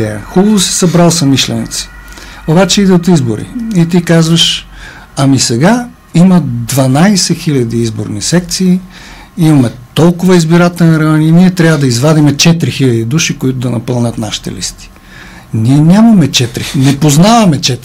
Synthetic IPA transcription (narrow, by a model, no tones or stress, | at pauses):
ɛɐ̰xubɐvosi̥sɐbɾalˠsɐmiʃlɛ̰nḭt̪si̥ | obat͡ʃɛid̪ɛot̪izboɾḭit̪ikazvɐʃ | ɐmisɛɡa | imɐd̪vɐnajsɛxilʲɐd̪iizbo̰ɾnisɛk̚t̪siː | imɐmɛt̪ɔlˠkʊvɐizbiɾat̪ɛlniɾɐməniniɛt̪ɾʲavəd̪ɐizvad̪imɛt͡ʃɛt̪ɾixilʲɐd̪id̪uʃikʊit̪ʊd̪ɐnɐpɤlˠnʲət̪naʃi̥t̪ɛ̰lḭst̪i̥ | niɛnʲamɐmɛt͡ʃɛt̪ɾinɛpoznavɐmɛt͡ʃɛt̪